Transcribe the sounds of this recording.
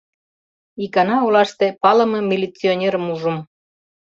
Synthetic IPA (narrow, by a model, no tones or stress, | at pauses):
ikɑnɑulɑʃt̪epɑlə̆mɤ̆mʲilʲit͡sionʲeɾəmuʒum